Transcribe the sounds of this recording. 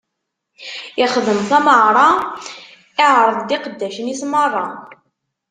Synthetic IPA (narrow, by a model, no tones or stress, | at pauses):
ɪχðəmθæməʕɾˤɑ | ɪʕɾˤəðˤd̪ɪqəd̪ːæʃənɪsmərˤːɑ